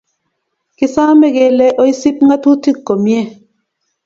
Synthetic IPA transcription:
ki˨sa˦mɛ˦ɡe˨lɛ˦ʔɔ˦i˦si˦p̚ŋɡa˦tu˦ti˦˨kːo˨mjɛ˦˨

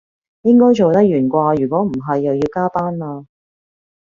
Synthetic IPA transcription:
jɪ˥ŋkɔː˥jt͡ʃo˨wt̪ɐ˥k̚jyː˨˩nkʷaː˧jyː˨˩kʷɔː˨˥m̩˨˩ɦɐ˨jːɐ˨wjiː˧wkaː˥t̪aː˥nlaː˧

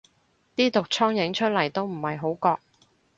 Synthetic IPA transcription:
t̪iː˥t̪ʊ˨k̚t͡ʃʰɔː˥ŋjɪ˨˥ŋt͡ʃʰɵ˥t̚lɐ˨˩jt̪o˥wm̩˨˩hɐ˨jɦo˨˥wkɔː˧k̚

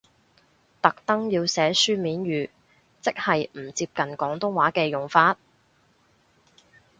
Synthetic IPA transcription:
t̪ɐ˨k̚t̪ɐ˥ŋjiː˧wsɛː˨˥syː˥miː˨˥nɥyː˨˩ | t͡sɪ˥k̚hɐ˨jm̩˨˩t͡siː˧p̚kɐ˨nkɔː˨˥ŋt̪ʊ˥ŋwaː˨˥kɛː˧jʊ˨ŋfaː˧t̚

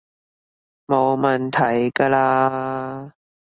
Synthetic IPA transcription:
mo˨˧wmɐ˨˩nt̪ʰɐ˨˩jkaː˧laː˧

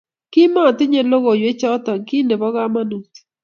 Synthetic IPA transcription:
ki˦ma˦ɔ˨tɪ˦ɲe˨lo˦ɣo˨jwe˦t͡ʃɔ˦tɔ˨ŋki˦ne˨bɔ˦ɣa˦ma˦nu˨t

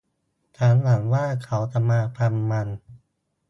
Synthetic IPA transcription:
t͡ɕʰaː˦˥nla˩˦ŋwaː˥˩kʰa˦˥wt̪a˧˩maː˧pʰa˧mːa˧n

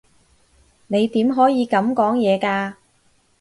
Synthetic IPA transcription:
ne˨˧jt̪iː˨˥mɦɔː˨˥jiː˨˧kɐ˨˥mkɔː˨˥ŋjɛː˨˧kaː˧

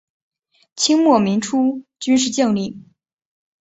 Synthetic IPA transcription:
t͡ɕʰi˥ŋmwɔ˥˩mi˧˥ŋʈ͡ʂʰu˥t͡ɕy˥nʂɻ̩˥˧t͡ɕi˥˧ŋli˥˩

